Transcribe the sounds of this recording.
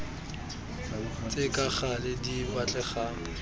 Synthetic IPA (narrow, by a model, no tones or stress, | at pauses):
t͡sʼɪkʼaχalɪdibat͡ɬʼɛχaːŋʊ